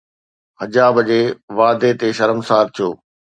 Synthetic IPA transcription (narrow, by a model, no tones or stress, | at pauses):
hɐd͡ʑaːbəd͡ʑeːʋaːd̪et̪eʃɐɾəmsaːɾt̪ʰijo̰ː